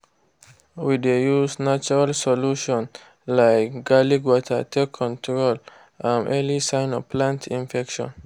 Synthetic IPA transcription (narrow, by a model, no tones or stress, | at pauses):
widejusnat͡ʃuɹalsɔluʃɔ̃n | laɪkɡ̥aliɡwɔtʰə̰tʰekʰɔ̃ntʰɹɔl | ʔãnʔɛlisãɪ̃nɔpʰlãntʰĩnfɛkʃɔ̰̃n